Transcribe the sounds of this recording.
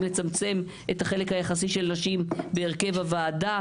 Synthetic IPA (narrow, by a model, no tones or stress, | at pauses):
let͡samt͡se̞m | e̞thaχe̞le̞khajaχas̬iʃe̞lnaʃimbe̞ːʁke̞vavaːda